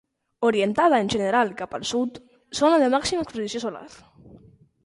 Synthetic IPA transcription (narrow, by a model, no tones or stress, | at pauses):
oɾjent̪að̞aenʲʒeneɾalkapalsut̪ | sonaðemaksimaekspeðisjosola̰ɾ